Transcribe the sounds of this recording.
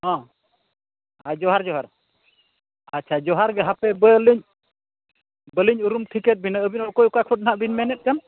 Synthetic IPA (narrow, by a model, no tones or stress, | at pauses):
ɦɔ̃ | ad͡ʒɔɦaɾd͡ʒɔɦaɾ | atːt͡ʃʰad͡ʒɔɦaɾɡɛɦapɛbəliɲ | bəliɲuɾumt̪ʰikɛt̪̚binaːbinɔkɔjukakʰɔt̚naɦaʔbinmɛnɛt̪̚kan